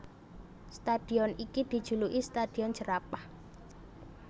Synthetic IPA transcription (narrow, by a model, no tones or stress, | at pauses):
st̪ad̪̥i̤ɔnikid̪̥i̤d̥ʒ̥ṳluʔist̪ad̪̥i̤ɔnd͡ʒəɾapah